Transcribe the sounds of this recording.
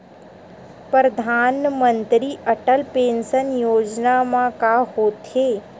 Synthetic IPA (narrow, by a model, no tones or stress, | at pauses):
pɾəd̪ʱaːnmə̃nt̪ɾiʔɐʈəlpẽːnsənjoːd͡ʒnamãkahoːt̪eː